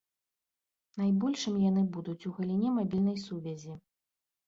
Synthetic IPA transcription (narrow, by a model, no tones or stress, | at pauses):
najbɔlʲʂɨmjanɨbud̪ut͡sʲuɣɐlʲinʲɛmabʲilʲnɐjsuvʲɛzʲi